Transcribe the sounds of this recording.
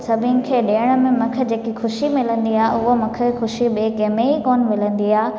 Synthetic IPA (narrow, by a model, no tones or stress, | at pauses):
sɐbʱɪnɪ̆kʰeːɗeːəɽ̃ə̆mẽmɐkʰə̆d͡ʑeːkixʊʃimɪlə̃nd̪iaːʊɦomɐ̃kʰəxʊʃiɓeːkemẽikoːnmɪlə̃nd̪iaː